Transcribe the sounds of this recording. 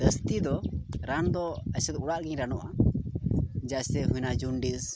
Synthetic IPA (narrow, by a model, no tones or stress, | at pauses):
d̪əst̪id̪ɔɾand̪ɔəsɛt̪uɽaʔɡɛɲɾanɔʔa | d͡ʒasɛɦujnad͡ʒunɖiz